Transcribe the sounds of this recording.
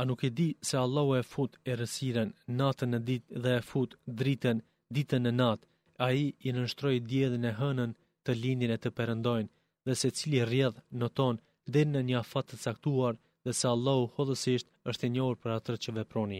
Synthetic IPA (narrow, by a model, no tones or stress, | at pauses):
anukɛd̪isɛalˠːahuɛfut̪ɛɾəsiɾɛnːat̪ənðɛfut̪d̪ɾit̪ɛn | d̪it̪ənːənat̪ | aiːnəʃt̪ɾɔjd̪jɛðinɛɦənən | t̪əlind̪inɛt̪əpɛɾənd̪ɔjn | ðɛsɛt͡silirjɛðnət̪ɔn | d̪ɛɾinəɲəafat̪ːət͡sakt̪uaɾ | ðɛsɛalˠːahuhɔðəsiʃt̪əʃt̪ɛɲɔhuɾpəɾat̪əɾt͡ɕəvɛpɾɔni